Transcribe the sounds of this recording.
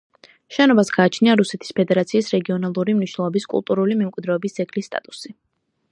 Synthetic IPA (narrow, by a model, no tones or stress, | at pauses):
ʃɛnɔbasɡaːt͡ʃʰniaɾusɛt̪ʰi̥spʰɛd̪ɛɾat̪sʰiːsɾɛɡiɔnalˠuɾimniʃnɛlˠɔbiskʼṵlˠt̪ʼuɾulimɛmkʼwid̪ɾɛɔbisɛɡʰlisːt̪ʼa̰t̪ʼusi